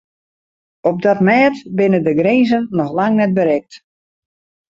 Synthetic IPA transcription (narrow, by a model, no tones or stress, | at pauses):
ɔp̚dɔtmɛːtbɪnədəɡreːzənːɔxlaŋnɛt̚bəɾɛk̚t